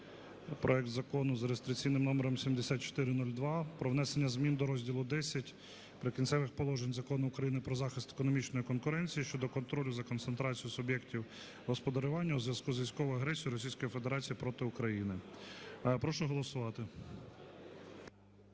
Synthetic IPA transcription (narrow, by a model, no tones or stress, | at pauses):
pɾʔɔɛk̚t̪zɐkɔnʊzɾest̪ɾʲɪk̚t͡sʲijnɪmnɔmeɾɔmsʲimd̪esʲat̪̚t͡ʃɔ̥t̪ɪɾɪnɔlʲd̪ʋɑpɾɔʋn̪ɛsenʲːɐzmʲind̪ɔɾɔzʲdʲilˠʊd̪ɛsʲɐtʲ | pɾekʲinsɛʋɪxpɔlˠɔʒenʲzɐkɔnʊːkɾɐjinɪpɾɔzɑxɪst̪e̥kɔnɔmʲit͡ʃnɔjikɔnkʊɾɛnʲt͡sʲijiʃt͡ʃɔd̪ɔkɔnt̪ɾɔlʲʊzɐkɔnt̪sent̪ɾɑt͡sʲijʊsʊbʲjɛktʲiw | ɦɔspɔd̪ɐɾʊʋɑnʲːɐuzʋʲjɐskuzʋʲijsʲkɔʋʊjɐɦɾɛsʲijʊɾɔsʲijsʲkɔjifed̪eɾɑt͡sʲijipɾɔt̪ɪʊkɾɐjinɪ | pɾɔʃʊɦɔlˠɔsʊʋɑt̪ɪ